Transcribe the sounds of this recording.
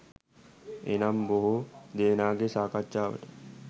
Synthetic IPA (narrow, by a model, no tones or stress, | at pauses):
ḛnamboɦud̪eːnaːɡesaːkat͡ʃːʃaːʋə̰ʈə̥